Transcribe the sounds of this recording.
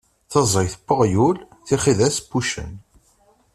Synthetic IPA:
θəzˤəjθpːoʁjul | θiχiðæsbːuʃə̰n

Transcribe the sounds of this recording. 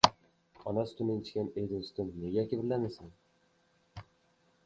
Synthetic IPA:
ɒnast̪ʰʊnɪŋʲt͡ʃʰkʲaned̪ost̪ʊnneɡʲakʲɪbɪlːanɪsɪn

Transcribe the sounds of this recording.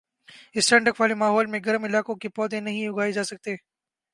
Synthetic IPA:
ɪsʈɐ̃ɳɖəkʋaːlemaːɦɔːlmẽɡɐɾəmɪlaːkõkepɔːd̪ẽnɐɦĩʊɡaːed͡ʒaːsɐk̚t̪eː

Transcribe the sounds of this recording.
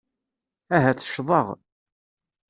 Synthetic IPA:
æɦæt͡sə̥ʃðˤɑʁ

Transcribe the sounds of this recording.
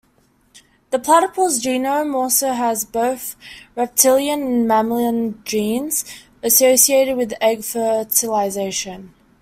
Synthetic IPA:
ðəpʰl̥aɾəpʰəlˠzd͡ʒĩːnə̃mɔˑlˠsəʊəzbəʊθɹɛp̚tʰɪlˠjə̃nə̃nmæmlə̃nd͡ʒĩːnz̥ | əsəʊsieɪɾɪd̚wɪðɛɡfətʰəlaɪzeɪʃə̃n

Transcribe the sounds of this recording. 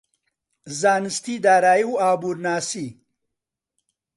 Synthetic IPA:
zaːnist̪iːd̪aːɾaːjiwaːbuːɾnaːsi

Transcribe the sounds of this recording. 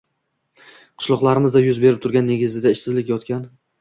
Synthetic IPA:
qʰʊ̥ʃlˠɒqlˠaɾɪmɪzd̪ajʊzbeɾɪp̚t̪ʰʊɾɡʲanːe̞ɡʲɪzɪd̪aɪʃsɪzlɪkʲjɒt̪kʲan

